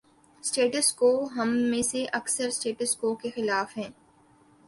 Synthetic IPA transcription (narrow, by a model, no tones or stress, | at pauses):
sʈeːʈəskoːɦɐmːẽːseʔɐksəɾsʈeːʈəskoːkexɪlaːfɦɛ̃ː